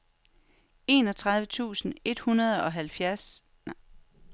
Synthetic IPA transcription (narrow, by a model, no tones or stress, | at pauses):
e̝̰ːnɒ̽t͡sʰʁɑ̈ð̞ˠʋət͡sʰṵːsn̩e̝d̥hunɐð̞ˠɒ̽ɦælfjæɐs